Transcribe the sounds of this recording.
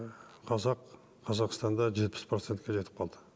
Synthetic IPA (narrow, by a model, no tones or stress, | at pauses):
qʰɑzɑqʰ | ɑzɑqst̪ɑnd̪ɑʒe̞t̪̚pɪ̥spʰɾot̪sent̪kʲeʒe̞t̪ɪp̚qʰɑlˠd̪ə